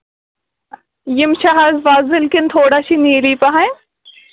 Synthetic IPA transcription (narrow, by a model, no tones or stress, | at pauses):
jɪmʃaɦazʋaːzɪlkɪnt̪ʰoːɽaːʃiniːɾipɐɦã